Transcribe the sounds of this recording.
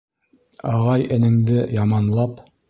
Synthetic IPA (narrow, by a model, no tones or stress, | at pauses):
ɑʁɑjɘ̆nɘ̆ŋd̪ɘjɑmɑnlˠɑp